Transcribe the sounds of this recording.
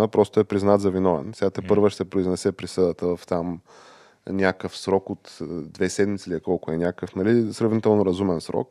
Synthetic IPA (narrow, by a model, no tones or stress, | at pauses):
əpɾɔst̪ʊɛpɾiznat̪zɐvinɔvɛ̰nsɛɡat̪ɛpɤɾvəʃt̪ɛpɾoiznɛsɛpɾisɤd̪ət̪əvɐft̪am | nʲakəfsɾɔkot̪d̪vɛsɛd̪mit̪siliɛkɔlˠkʊɛnʲjakəfnɐlisɾɐvnit̪ɛlˠnoɾɐzumɛnsɾɔ̰k